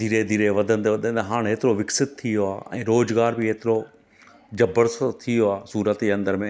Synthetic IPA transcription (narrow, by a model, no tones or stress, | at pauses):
d̪ʱiːɾed̪ʱiːɾeʋɐd̪ʱə̃nd̪ʋɐd̪ʱə̃nd̪ɦaːɽ̃ɦeːt̪ɪɾoʋɪksɪt̪̚t̪ʰijoaːɛ̰̃ːɾoːzɡaːɾbiɦeːt̪ɪɾo | d͡ʑɐbəɾst̪ʰijoaːsuːɾət̪iɐ̃nd̪əɾmẽ